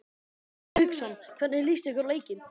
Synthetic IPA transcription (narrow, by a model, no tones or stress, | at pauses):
ʏksɔnkʰvanːɛɾlist̪ɪkʏɾleːjcɪn